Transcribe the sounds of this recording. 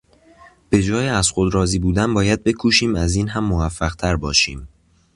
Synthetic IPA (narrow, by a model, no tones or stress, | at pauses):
b̥e̞d͡ʒɒːjeæz̥xod̪ɾɒːziːbuːd̪ænbɒːjæd̪̚be̞kʰuːʃiːmæziːnɦæmːovæfːæɣ̥t̪ʰæɾbɒːʃiːm